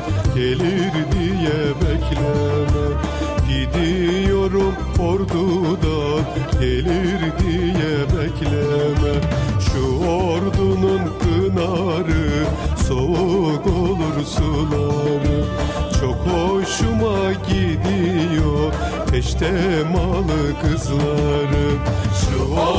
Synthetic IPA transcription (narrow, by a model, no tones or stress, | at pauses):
ɟeliɾd̪ijɛbɛcʲlɛmɛ | ɟid̪ijo̞ɾum | oɾd̪ud̪aɟeliɾd̪ijɛbɛcʰlʲɛmɛʃuoɾd̪ununkʰɯnaɾɯsouɡolˠuɾsulˠamɯt͡ʃʰo̞kʰoʃumaɟid̪ijo | t̪ʰɛʃt̪ʰɛmalˠɯkʰɯzlˠaɾɯʃu